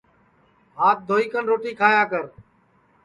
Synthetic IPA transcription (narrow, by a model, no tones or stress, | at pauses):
ɦaːt̪̚d̪ʱoːiːkənɾoːʈiːkʰaːjaːkəɾ